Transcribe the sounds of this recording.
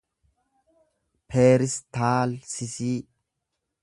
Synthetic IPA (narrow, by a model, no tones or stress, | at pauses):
pʰeːɾɪst̪aːlsɪsiː